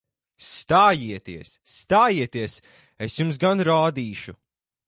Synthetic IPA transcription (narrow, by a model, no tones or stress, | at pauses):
st̪aːjiɛt̪iɛsːt̪aːjiɛt̪iɛs | esjums̬ɡanɾaːd̪iːʃu